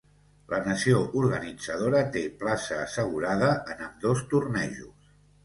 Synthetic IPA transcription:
lʔənəsioʔuɾɣənid͡zəð̞oɾət̪eplasəːsəɣ̞uɾaðəʔənəmd̪ost̪urnɛʒus

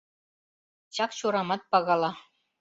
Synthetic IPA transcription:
t͡ɕɑkt͡ɕuɾɑmɑt̪̚pɑɣɑlɑ

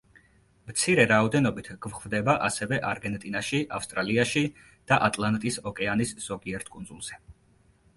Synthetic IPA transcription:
mt̪sʰiɾɛɾaɔd̪ɛnɔbit̪ʰɡ̥vχvd̪ɛbaʔasɛvɛʔaɾɡɛnt̪ʼinaʃiʔafst̪ʼɾaliaʃi | d̪̥aʔat̪ʼlˠant̪ʼisɔkʼɛanisz̥ɔɡiɛɾt̪ʰkʼunzulˠz̥ɛ

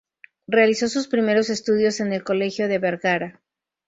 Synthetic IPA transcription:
realiso̞suspɾime̞ɾo̞se̞st̪uð̞jo̞se̞ne̞lko̞le̞xjo̞ðe̞βe̞ɾɣaɾa

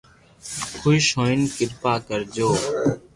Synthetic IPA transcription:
kʰʊiʃõːɪnkɪlpaːkəɾd͡ʒoː

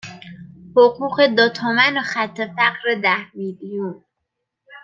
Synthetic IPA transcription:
hoquɢed̪ɒt̪ʰɒːmænoxæt̪ʰːefæqɾed̪æhmilijun

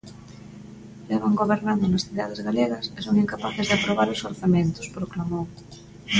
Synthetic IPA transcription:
lɛβaŋɡoβeɾnand̪onasθiða̰ð̞ezɣaleɣɐsesoŋiŋkapaθezðeapɾoβ̞aɾosoɾθamẽnt̪o̥spɾoklamoŋ

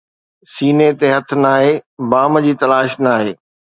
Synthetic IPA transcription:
siːnet̪eɦɐt̪ʰnaːɦebaːmd͡ʑiːt̪ɐlaːʃnaːɦeː

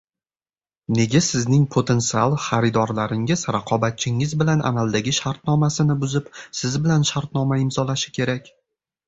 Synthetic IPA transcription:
ne̞ɡʲasɪznɪŋpʰot̪ʰe̞nt̪sialˠχaɾɪd̪ɒɾlaɾɪŋɪz̥ɾaqʰɒbat̪̚t͡ʃʰɪŋɪzbɪlanʔa̰malˠd̪aɡʲɪʃaɾt̪̚nɒmasɪnɪbʊzɪpsɪzbɪlanʃaɾt̪nɒmaɪmzɒlaʃɪ̥kʲʰe̞ɾakʲ

